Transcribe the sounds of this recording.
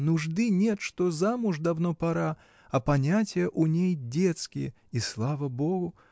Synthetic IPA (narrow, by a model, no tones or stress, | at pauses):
nuʐd̪ɨnʲɛt̪ʂt̪ɔzamuʐd̪awn̪ɔpaɾa | ɐpanʲat͡sʲjɛʔunʲejd͡zʲɛt̪skʲijɛ | islˠavɐbɔɣʊ